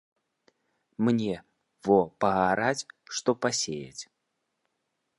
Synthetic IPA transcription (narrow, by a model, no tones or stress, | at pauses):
mnʲɛ | vɔpɐɣaɾat͡sʲʂt̪ɔpasʲejɐ̰t͡sʲ